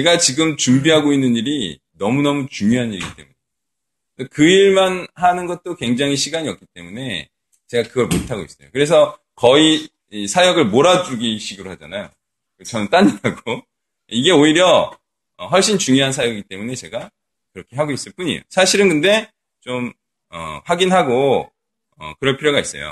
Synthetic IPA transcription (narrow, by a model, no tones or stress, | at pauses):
t͡ɕe̞ɡat͡ɕiɡɯmt͡ɕumbiɦaɡoinːɯniɾi | nʌmunʌmut͡ɕuŋjoɦaniɾit͈e̞̰mune̞̰ | dekɯiɭmanhanɯnɡʌt̚t͈okwe̞ŋd͡ʑaŋɦiɕʰiɡaɲiʌk͈it͈e̞mune̞ | t͡ɕe̞ɡakɯɡʌɭmo̰tʰaɡois͈ʌjokɯɾe̞s̬ʰʌ | kʌi | isʰajʌɡɯɭmoɾad͡ʑuɡiɕʰiɡɯɾohad͡ʑanajo̰ | kt͡ɕʌnɯnt͈aɲiaɡo | iɡe̞oiɾjʌ | ʌɦʌɭɕ͈int͡ɕuŋjoɦansʰajʌɡiɡit͈e̞mune̞t͡ɕe̞ɡa | kɯɾʌkʰe̞ɦaɡois͈ɯɭp͈uɲḭjo̰sʰaɕʰiɾɯnkɯnde̞ | t͡ɕom | ʌ̰ɸwaɡinɦaɡo | ʌ̰kɯɾʌɭpʰiɾjoɡais͈ʌ̰jo̰